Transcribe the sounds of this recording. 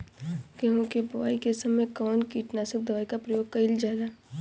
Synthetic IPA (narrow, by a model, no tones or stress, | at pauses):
keɦõkebɐʋa̰ːikesɐmekɔːnkiːʈnaːsək̚d̪ɐʋaːikapɾɐjoːɡ̚kɐɪld͡ʒaːeɡaː